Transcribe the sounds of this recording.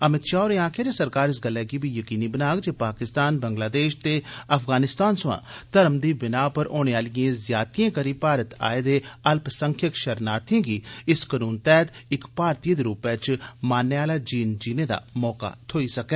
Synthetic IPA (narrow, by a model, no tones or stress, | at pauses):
əmɪt̪ʃaːoːɾeãːkʰed͡ʒ̪esɐɾkaːɾɪs̬ɡəlːɛɡibʱijəkiːnibənaːɡd͡ʒeːpaːkɪst̪aːnbə̃ŋɡlaːd̪eːʃt̪eɐfʰɡaːnɪst̪aːnsʊ̃ã̰ːt̪ɐɾmd̪iːbɪnaːpəɾʔoːñeaːlijãzjaːt̪ijãːkəɾiːpaːɾət̪a̰ːed̪eːɐlpsə̃ŋkʰjəkʃɐɾnaːt̪ẽːɡiːɪskənuːnt̪ɛːt̪ɪkpaːɾt̪iːəd̪eɾuːpɛːt͡ʃmaːnːeaːlad͡ʒiːnd͡ʒiːned̪a̰ːmɔːka̰t̪ʰoːisɐkɛː